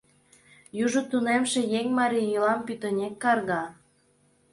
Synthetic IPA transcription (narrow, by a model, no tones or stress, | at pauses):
juʒŏt̪unemʃe̽jeŋmɑɾʲiilɑmpyt̪ənʲekːɑrɣɑ